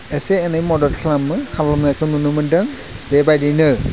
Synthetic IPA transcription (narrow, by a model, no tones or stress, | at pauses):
ɛseːnɯjmɔdɔlkʰlamːɯhʰalɔmzajkʰɯnunɯmɯndɯŋ | bebajdijnɯ